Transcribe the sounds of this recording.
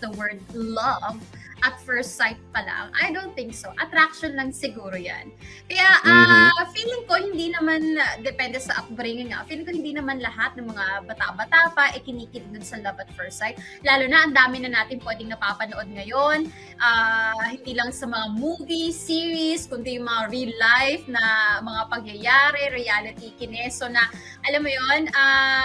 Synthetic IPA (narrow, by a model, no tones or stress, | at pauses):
d̪ɐwɛɹd̪̚lɐvʔɐt̪̚fɛɹsajt̪̚pɐla̰ŋʔɐ̰jd̪onθɪŋksoʔɐt̪ɾak̚ʃonlɐŋsɪɡuːɾoja̰nkɐjaʔfiːlɪŋko̞hɪnd̪inɐmand̪ɛpɛnd̪ɛsɐʔɐk̪bɾiŋɐnŋa̰ʔfiːlɪŋkohɪnd̪inɐmanlɐɦat̪̚nɐŋmɐŋabɐt̪a̰ʔbɐt̪aːpɐʔɛkɪniːkɪt̪̚d̪ʊnsɐlɐvɐt̪̚fɛɹsajt̪̚laːlunɐʔɐnd̪aːmɪnɐnaːt̪ɪnpwɛːd̪ɪŋnɐpapɐnoʔo̞d̪̚ŋɐjo̞n | ʔahɪnd̪iːlɐŋsɐmɐŋamuːvisiːɹiskʊnd̪ijʊŋmɐŋaɹilːajfnɐmɐŋapɐŋjɐjaːɾɛɾijaːlɪt̪ikɪnɛsonɐ | ʔɐlamːojona